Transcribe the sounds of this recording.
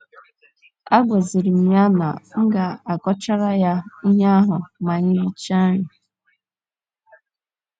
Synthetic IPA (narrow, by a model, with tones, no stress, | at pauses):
a˦ɡʷe˨zi˨ɾi˨m̩˨ɲa˦na̰˨ŋ̩˦ɡa˨a˨kɔ˦t͡ʃa˦ɾa˦ja˦i˦ɦa˦a˦ɦʊ˨ma˨ɲɪ˦ɾi˦t͡ʃa˦ɲɪ˨